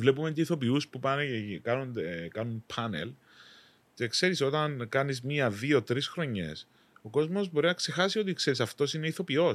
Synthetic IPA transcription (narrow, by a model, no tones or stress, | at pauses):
vle̞pument̪iiθo̞piuspupɐneekɐnond̪ekɐnunpʰɐne̞̰l | ce̞kse̞ɾiso̞t̪ɐnkɐnizmiɐðio̞t̪ɾisxɾo̞ɲe̞̰s | oko̞zmo̞zbo̞ɾinɐkse̞xɐsio̞t̪̬ikseɾisɐft̪o̞sine̞iθo̞pio̞